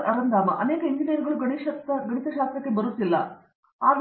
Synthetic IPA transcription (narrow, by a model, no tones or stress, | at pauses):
ɾʔɐɾɐnd̪ʱaːmɐʔɐneːkɐiɲd͡ʒinijɐɾɡɐɭuɡɐɳiʃɐt̪ɐɡɐɳit̪ɐʃaːst̪ɾɐkːebɐɾut̪ːilːɐ̰ | aːd̪